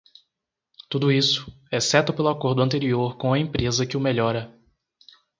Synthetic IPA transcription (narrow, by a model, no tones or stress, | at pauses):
t̪ud̪ʊisʊ̥ | ɛsɛt̪ʊpelʊakoɾd̪ʊɐ̃nt̪eɾioɾkõɐẽpɾezɐkɪʊmeʎɔɾɐ